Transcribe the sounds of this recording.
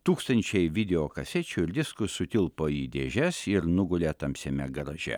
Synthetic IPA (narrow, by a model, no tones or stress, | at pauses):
t̪uːkst̪ɐnʲt͡ʃʲɛɪʋʲɪd̪ʲɛoːkɐsʲɛt͡ʃʲʊɪɾd̪ʲɪskʊsʊt̪ʲɪlˠpoːiːd̪ʲeːʒʲɛsɪɾnʊɡʊlʲeːt̪ɐmʲsʲɛmʲɛɡɾɐʒʲɛ̰